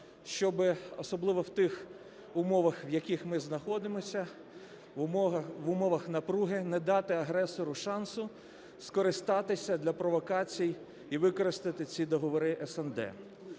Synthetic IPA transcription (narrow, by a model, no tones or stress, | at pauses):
ʃt͡ʃɔbɪɔsɔblˠɪʋɔwt̪ɪx | ʊmɔʋɐxʋjɐkʲixmɪznɐxɔd̪ɪmɔsʲɐ | ʋʊmɔʋɐxnɐpɾuɦɪnɛd̪ɑt̪ɪɐɦɾɛsɔɾʊʃɑnsʊ | skɔɾɪst̪ɑt̪ɪsʲɐd̪lʲɐpɾɔʋɔkɑt͡sʲij | iʋɪkɔɾɪst̪ɪt̪ɪt͡sʲid̪ɔɦɔʋɔɾɪʔɛsɛnd̪ɛ̰